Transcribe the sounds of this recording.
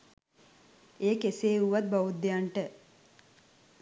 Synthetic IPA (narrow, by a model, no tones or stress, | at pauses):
eːkeseːuʋat̪̚baʋud̪ːejaɳʈə